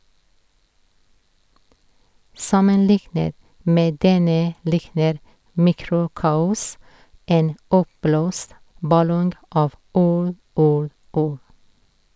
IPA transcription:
ˈsɑmənˌlɪknət ˈmeː ˈdɛnə ˈlɪknəɾ ˈmiːˌkɾʊˌkɑːʊs ˈeːn ˈɔpˌbloːst bɑˈlɔŋɡ ˈɑːʋ ˈuːɽ ˈuːɽ ˈuːɽ

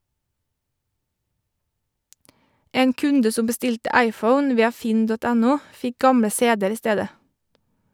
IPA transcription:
ˈeːn ˈkʉndə ˈsʊm bəˈstɪltə ˈæɪˌfəʊn ˈʋiːɑ ˈfɪn ˈdɔt ˈænʊ ˈfɪk ˈɡɑmɽə ˈseːdəɾ ˈiː ˈsteːdə

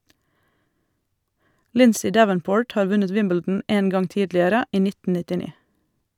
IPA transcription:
ˈlɪnsɪ ˈdæʋənˌpoːʈ ˈhɑːɾ ˈʋʉnət ˈwɪmbɛldn̩ ˈeːn ˈɡɑŋ ˈtiːdlɪəɾə ˈiː ˈnɪtə nɪtɪˈniː

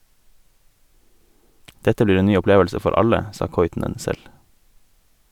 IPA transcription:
ˈdɛtə ˈbliːɾ ˈeːn ˈnyː ʊˈpleːʋəlsə ˈfɔɾ ˈɑʎə ˈsɑː ˈkɔʏtn̩ən ˈsɛl

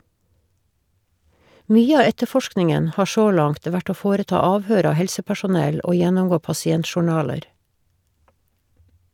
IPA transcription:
ˈmyːə ˈɑː ˈɛtəˌfɔʃknɪŋən ˈhɑː ˈʃoː ˈlɑŋt ˈʋæʈ ˈoː ˈfoːɾəˌtɑː ˈɑːʋhøːɾ ˈɑː ˈhɛlsəpæʃʊˌnɛl ˈoː ˈjɛnɔmˌɡoː pɑsɪˈɛntʃʊˌɳɑːləɾ

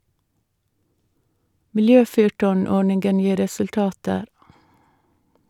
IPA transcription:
mɪlˈjøːˌfyːʈɔˌɳɔɳɪŋɡən ˈjiː ɾɛsʉlˈtɑːtəɾ

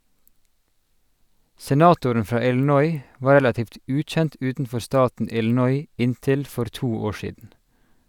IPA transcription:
sɛˈnɑːtʊɾən ˈfɹɑː ɪln̩ˈɔʏ ˈʋɑːɹ ˈɹɛlɑtiːft ˈʉːˌc͡çɛnt ˈʉːtn̩ˌfɔɾ ˈstɑːtn̩ ˈɪln̩ɔʏ ˈɪnˌtɪl ˈfɔɾ ˈtuː ˈoːɹ ˈʃiːdn̩

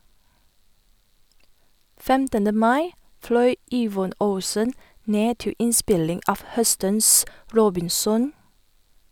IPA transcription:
ˈfɛmtənə ˈmɑɪ ˈflœʏ ˈiːʋɔn ˈəʊsən ˈneː ˈtɪ ˈʔɪˌspɪlɪŋ ˈɑːʋ ˈhœstəns ˈɹoːbɪnˌsɔn

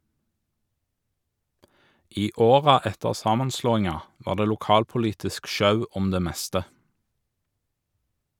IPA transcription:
ˈiː ˈoːʁɑ ˈɛtəʁ ˈsɑːmɑnˌsloːɪŋɑ ˈʋɑːʁ ˈdeː lʊˈkɑːlpʊˌliːtɪsk ˈʃɑʉ ˈɔm ˈdeː ˈmɛstə

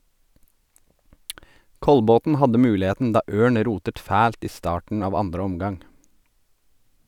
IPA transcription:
ˈkɔlbɔtn̩ ˈhɑdə ˈmʉːlɪˌheːtn̩ ˈdɑː ˈʔøːɳ ˈɾuːtət ˈfæːlt ˈiː ˈstɑːʈɳ̩ ˈɑːʋ ˈɑndɾə ˈɔmɡɑŋ

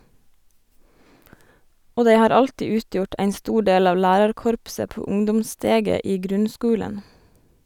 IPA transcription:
ˈoː ˈdæɪ ˈhɑːɾ ˈɑltiː ˈʉːˌtjʊʈ ˈæɪn ˈstuː ˈɖeːl ˈɑːʋ ˈlæːɾɑɾˌkɔɾpsə ˈpuː ˈʊŋdʊmˌsteːɡə ˈiː ˈɡɾʉnˌskʉːlən

